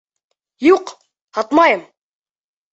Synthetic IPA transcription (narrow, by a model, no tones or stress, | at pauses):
juq | hɑt̪mɑjɤm